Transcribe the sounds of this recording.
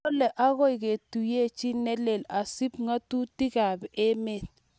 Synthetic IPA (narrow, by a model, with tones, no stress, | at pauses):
lɛ˨ʔa˦ɣɔ˦ɪ˨ke˨tu˨je˦˨t͡ʃi˦nɛ˦le˨la˨si˦p̚ŋa˦tu˦ti˦ka˨bʔe˦me˦t̚